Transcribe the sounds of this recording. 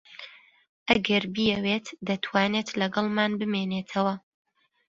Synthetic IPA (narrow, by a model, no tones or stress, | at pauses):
ʔɐɡɐɾbijɛwet̪d̪ɐt̪ʰwaːneːt̪lɐɡɑlˠmaːnbɨmeneːt̪ʰɐwɐ